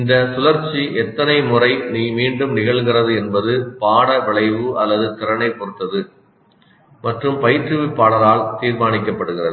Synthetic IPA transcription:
ɪnd̪ɐsʊlɐɾt͡ʃːiʔɛt̪ːɐnɐɪmʊrɐɪniːmiːɳɖɯmnɪɣɐɭɣɪrɐðɯɛnbɐðɯpaːɽɐʋɪɭɐɪʋɯʔɐlːɐðɯt̪ɪɾɐnɐɪpɔɾɯt̪ːɐðɯ | mɐʈrɯmpɐjɪʈrɯʋɪpːaːɽɐɾaːlt̪iːɾmaːnɪkːɐpːɐɽɯɣɪrɐðɯ

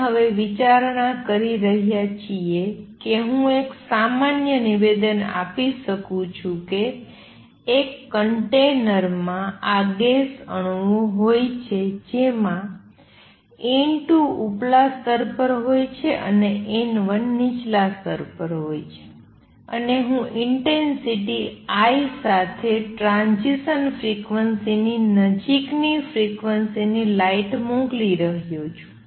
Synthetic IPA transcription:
ɦəʋeʋit͡ʃaɾɳakəɾiɾəɦjat͡ʃʰiekeɦũeksamanjəniʋed̪əna̰piʃəkũt͡ʃʰũkeː | kːəɳʈenəɾmãaɡesəɳ̃ʋõɦojt͡ʃʰed͡ʒemã | enʈuuplast̪əɾpəɾɦojt͡ʃʰeʔə̰neʔenʋənːit͡ʃlast̪əɾpəɾɦojt͡ʃʰe̥ | ə̰neɦũʔɪɳʈensiʈiajsat̪ʰeʈɾãnzisənfɾikʋənsininəd͡ʒiknifɾikʋənsinilaiʈmõɡliɾəɦjõt͡ʃʰũ̥

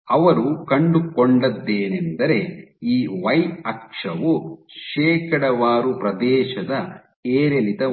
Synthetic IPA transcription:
ɐʋɐɾukɐɳɖukoɳɖɐd̪ːeːnend̪ɐɾe̞iːʋɐjɐkʂɐʋuʃeːkɐɽɐʋaːɾupɾɐd̪ɛːʃɐd̪ɐ | eːɾelit̪ɐ

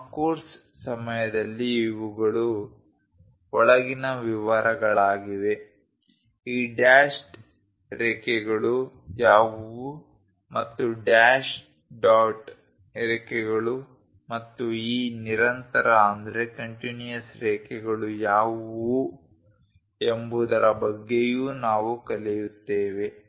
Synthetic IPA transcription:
koːɾs | sɐmɐjɐd̪ɐlːiːʋuɡɐɭu | ɔɭɐɡinɐʋiʋaɾɐɡɐɭaːɡiʋe̞ | iːɖaːʃʈ | ɾeːkɛɡɐɭu | jaːʋu | mɐt̪ːuɖaːʃ | ɖaːʈ | eɾɛkɛɡɐɭu | mɐt̪ːuiːniɾɐnt̪ɐɾɐːnd̪ɐɾe̞kɐɳʈinijɐsɾɛːkɛɡɐɭujaːʋu | embud̪ɐɾɐbɐɡːejuːnaːʋukɐlɛjut̪ːeːʋe̞

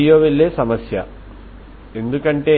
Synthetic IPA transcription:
joːʋeɭːeːsɐmɐsjɐ̰ | e̞nd̪ukɐɳʈe̞ː

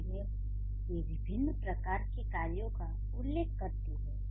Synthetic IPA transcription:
mẽ | jeʋɪbʱɪnːpɾɐkaːɾkekaːljõka | ʊlːeːkːɐɾt̪eɦɛː

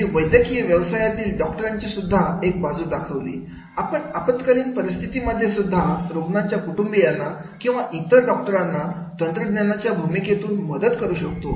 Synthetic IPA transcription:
iʋəjd̪jəkijəʋjəʋsajat̪iːlɖɔk̚ʈəɾaɲt͡ɕasud̪ʱːaek̚bad͡zuːd̪akʰəʋlḭː | apəɳapət̪kəliːnpəɾist̪ʰit̪iməd̪ʱːjesud̪ʱːaɾoɡɳaɲt͡ɕjakuʈumbijanːa | kĩw̃ʋaʔit̪əɾɖɔk̚ʈəɾanːa | t̪ənt̪ɾəd̪nɲanat͡ɕjabʱumiket̪uːnməd̪ət̪kəɾuːɕək̚t̪o

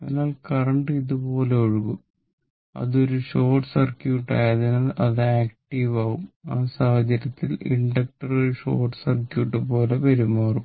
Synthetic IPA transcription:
penaːlkɐrɐɳɖɨiðupo̞ːleoɻuɣum | ɐ̰ðo̞ɾuʂo̞ːʈsɐrkjuːʈːa̰ːjaːðinɐlʔɐðɨaːkʈiʋaːɣumaːsaːhɐt͡ɕɐɾɐt̪ːilḭɳɖɐk̚ʈɐrɐuʂo̞̰ːrʈsɐrkjuːʈːɨpo̞ːle̞pɐɾumːaːrum

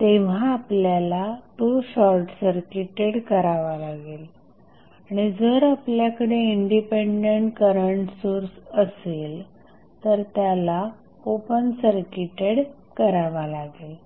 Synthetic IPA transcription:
t̪eʋ̤ãːpljalaʈuɕɔɾʈsəɾkiʈeɽkəɾaʋalaɡel | aɽ̃id͡zəɾapljakəɽeiɳɖipeɳɖəɳʈkəɾəɳʈsoɾsəsel | t̪əɾt̪jala | opənsəɾkiʈeɽ | kəɾaʋalaɡel

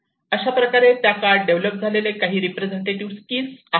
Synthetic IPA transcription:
əɕapɾəkaɾet̪jakaɾɖ̚ɖeʋləp̚d͡zʱalelekaɦiːɾipɾed͡zeɳʈeʈiʋskiːlsa

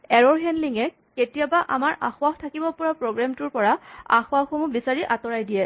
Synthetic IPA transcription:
ɛɹɔɹɦɛnliŋɛ | ketijabaʔa̰maɹʔa̰xʊaxtʰakibɔpɔɹapɹoɡɹamtʊɹpɔɹaa̰xʊwaxomubisaɹiʔatɔɹajdijɛ

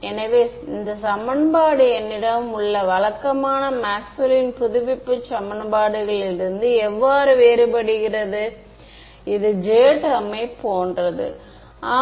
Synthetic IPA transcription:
ɛnɐʋeː | ɪnd̪ɐsɐmɐnbaːɽɯɛnːɪɽɐmʊɭːɐʋɐɭɐkːɐmaːnɐmaːksʊlɪnpʊðʊʋɪpːɯt͡ʃɐmɐnbaːɽɯɣɐɭɪɾɯnd̪ɯɛʋːaːɾɯʋeːɾɯbɐɽɪɣɪrɐðɯ | ɪðɯd͡ʒeːʈɐmeːpoːndrɐðɯ̰ | aː

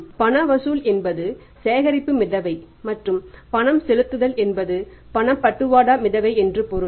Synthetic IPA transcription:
pɐɳɐʋɐsuːlɛnbɐðɯ | seːɣɐɾɪpːɯmɪðɐʋɐɪ | mɐʈrɯmpɐɳɐmsɛlɯt̪ːɯðɐlɛnbɐðɯ | pɐɳɐmpɐʈːɯʋaːɽaːmɪðɐʋɐɪɛndrɯpɔɾɯ

